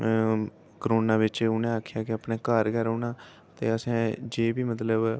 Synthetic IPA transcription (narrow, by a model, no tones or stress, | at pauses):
kɾoːnãːʋɪt͡ʃʊnẽːaːkʰɪjaːkɪapnẽːkaːɾɡɛːɾoːnãː | t̪ḛːəsẽːd͡ʒeːbiːmət̪ləb